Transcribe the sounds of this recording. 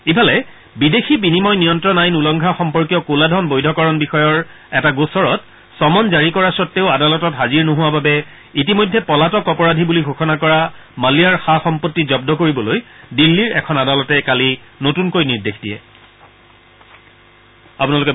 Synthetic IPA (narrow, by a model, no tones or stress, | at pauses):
ipʰalɛ | bidexibinimɔjnijɔntɹɔnajnulɔŋɡʱaxɔmpɔɹkijɔkoladʱɔnbojdʱɔkɔɹɔnbixɔjɔɹ | ɛtaɡosɔɹɔt̚ | sɔmɔnzaɹikɔɹasɔtːeʊadalɔtɔtɦaziɹnoɦuwababɛ | itimojdʱːɛpɔlatɔkɔpɔɹadʱibuliɡʱoxʰɔnakɔɹamalijaɹxaxɔmpotːizɔb̚dɔkoɹibɔlojdilːiɹɛ̰kʰɔnadalɔtɛkalinotunkojniɹdexʰdijɛ̰ | apunalokɛ